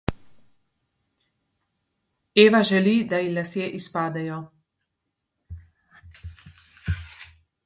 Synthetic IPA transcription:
eːʋaʒɛlid̪ajilasjeʔispaːd̪ɛjɔ

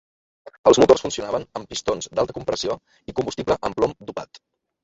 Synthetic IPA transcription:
əlˠzmut̪orsfunsiunaβənəmpist̪onzd̪alˠt̪əkumpɾəsio | ikumbust̪ibləʔəmplɔmd̪upat̪

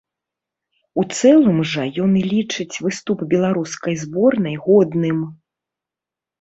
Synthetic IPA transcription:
ut̪sɛlˠɨmʐɐjɔnilʲit͡ʂɨt͡sʲvɨst̪upbʲɛlˠaɾuskɐjzbɔrnɐjɣɔd̪nɨm

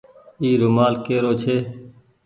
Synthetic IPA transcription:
iːɾʊmaːlkeːɾoːt͡ʃʰeː

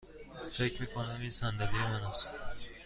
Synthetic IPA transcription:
fe̞cʰɾmiːkʰonæmisænd̪ælijemænæst̪

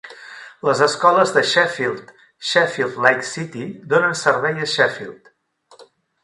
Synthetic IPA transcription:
ləzəskɔləzðəʃɛfilˠt̪ | ʃɛfilˠd̪lajksit̪id̪onənsəɾβɛjəʃɛfḭlˠt̪

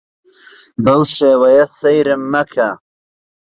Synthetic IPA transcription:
bɐwʃeːwɐjɐsɐjɾɨmːɐkʰɐ

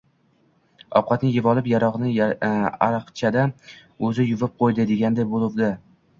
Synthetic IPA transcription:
ɒ̰p̚qʰɑt̪nɪjɪvɒlˠɪpjaɾɒʁnɪ | a̰ɾɨqt͡ʃʰad̪aɵzɪjʊvɪp̚qʰojd̪ɪd̪e̞ɡʲand̪ajbolˠɪwd̪ɪ

